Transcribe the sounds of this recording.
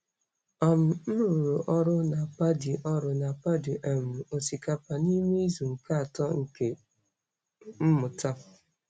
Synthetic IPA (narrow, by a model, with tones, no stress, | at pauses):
ɔ˦˨m̩˨n̩˦ɾu˨ɾu˨ʔɔ˦ɾʊ˦na˨pa˦di˨ʔɔ˦ɾʊ˨˦na˨pa˦di˨ʔe˨m̩˨o˨si˨ka˨pa˨ni˦me˦i˦zu˨ŋ̩˨ka˦a˨tɔ˦ŋ̩˨ke˨ | m̩˦mʊ˨ta˦